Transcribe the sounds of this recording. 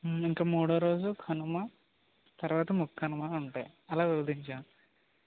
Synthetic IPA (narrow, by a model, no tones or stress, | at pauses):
iŋkaːmuːɽɐːɾo̞ːd͡ʒukʰɐnuma | t̪ɐɾuʋaːt̪ɐmukʰːɐnumaːuɳʈaːjɐlaːʋiʋɐd̪iɲt͡ʃaːm